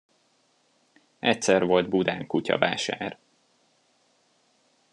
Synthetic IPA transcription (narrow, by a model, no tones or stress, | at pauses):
ɛc̚sɛrʋo̞ld̪bud̪aːŋkucɒ̰vaːʃaːr